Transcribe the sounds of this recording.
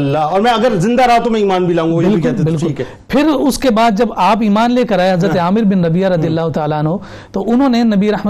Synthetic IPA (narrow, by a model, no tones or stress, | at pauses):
lːaɔːɾmɛ̃ɐɡəɾzɪ̃nd̪aɾɐɦat̪omɛ̃iːmaːnbʱilaːũːɡaobɪlikʊɛtlebɪlkʊiːkː | pʰɪɾʊskebaːd̪̚d͡ʒɐbaːpiːmaːnleːkɐɾaːeɦɐzɾətt̪eaːmɪɾbɪnɾɐbijaɾɐd̪ijəlːaːɦʊt̪aːlaɐnɦo | t̪oʔʊnɦõːnenɐbiɾɐɦm